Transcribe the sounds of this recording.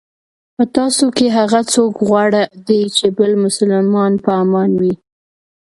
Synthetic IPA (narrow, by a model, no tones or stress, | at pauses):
pət̪ɑsokeɦaɣat͡sokɣwɑɽad̪ejt͡ʃebəlmʊsalmɑnpəmɑnwi